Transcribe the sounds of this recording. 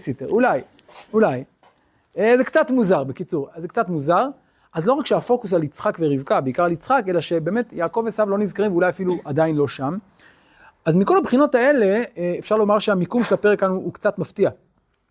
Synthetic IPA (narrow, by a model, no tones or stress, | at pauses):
sitḛulaj | ulaj | ezekt͡satmuzaʁbekit͡suʁazekt͡satmuzaʁ | azlo̞ʁakʃeafo̞kus̬alit͡sχakveʁivkabeikaʁalit͡sχake̞laʃebe̞ːme̞t̪jaːko̞vesavlo̞nizkaʁimvulajafiluadainlo̞ʃam | azmiko̞labχino̞tae̞le̞ːfʃaʁlo̞maʁʃeamikumʃelapeʁekanuːkt͡sat̪maftia